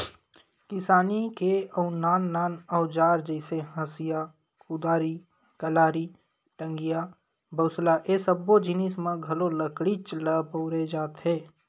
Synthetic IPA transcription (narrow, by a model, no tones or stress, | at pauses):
kɪsaːnikeəʊnaːnːaːnɔːd͡ʒaːɾd͡ʒɛɪseɦə̃sija | kud̪aːɾi | kəlaːɾi | ʈə̃ŋɡija | bəʊslaʔeːsəbːod͡ʒɪnɪsmãɡʱɐloləkɽit͡ʃləpoːɾed͡ʒaːt̪ɦɛː